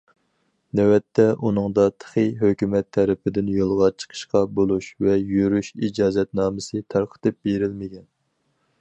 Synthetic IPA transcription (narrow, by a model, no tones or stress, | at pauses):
nɛwɛt̪ʰːɛʔunɨŋd̪ɑt̪ʰə̥χəjɦøkʲymɛt̪ʰːɛɾɪpʰɪd̪ɪnjolˠʁɑt͡ʃʰə̥qʰə̥ʃqɑbolˠuʃvɛjøɾyʃid͡ʒɑːzɛt̪nɑːmɨsɨt̪ʰɑɾqʰə̥t̪ɨp̚beɾɪlmɪɡʲɛn